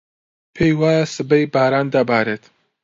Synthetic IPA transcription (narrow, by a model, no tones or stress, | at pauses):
pʰejwaːjsɨbɐjbaːɾaːnd̪abaːɾeːt̪